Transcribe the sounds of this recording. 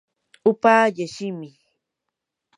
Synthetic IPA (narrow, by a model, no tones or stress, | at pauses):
ʊpaːjaʃɪmɪ